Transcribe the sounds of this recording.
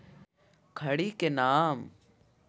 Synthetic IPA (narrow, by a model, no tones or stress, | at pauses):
kʰɐɽikenaːm